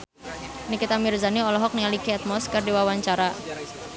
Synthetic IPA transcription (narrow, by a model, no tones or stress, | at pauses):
nikit̪amirzaniɔlɔɦɔk̚nialikiat̪̚mɔskərdiwawaɲt͡ʃaɾa